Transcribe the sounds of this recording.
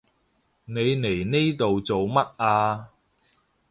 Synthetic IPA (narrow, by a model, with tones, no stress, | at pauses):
ne˨˧jne˨˩jne˥jt̪o˨wt͡so˨wmɐ˥t̚ʔaː˧